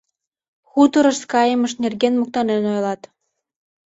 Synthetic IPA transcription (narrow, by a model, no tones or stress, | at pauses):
xut̪əɾəʃkɑjəməʃnerɣenmuk̚t̪ɑnenojlɑt̪